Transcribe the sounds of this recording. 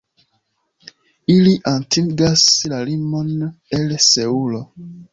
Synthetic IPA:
iliʔãntʰiŋɡaslalimonelseulo

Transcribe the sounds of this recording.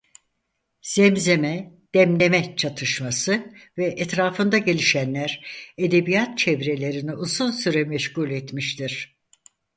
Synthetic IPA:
sɛmze̞mɛ | d̪̥ɛmlʲe̞mɛt͡ʃʰat̪ʰɯʃmasɯvɛʔɛt̪ɾaːfɯnd̪aɟelʲiʃænlʲæɾed̪e̞bijat̪̚t͡ʃʰevɾe̞lʲe̞ɾiniʔuzunsyɾɛmɛʃɡulʲɛt̪miʃt̪ʰiɾ̥

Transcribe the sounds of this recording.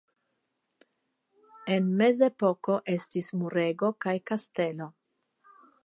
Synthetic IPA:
enmeze̞po̞ko̞ʔe̞stismuɾeɡo̞kajkaste̞lo̞

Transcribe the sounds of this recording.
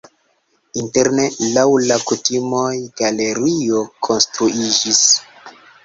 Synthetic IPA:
inte̞ɾne̞lawlakutimo̞jɡ̥ale̞ɾio̞kʰo̞nstɾuid͡ʒis

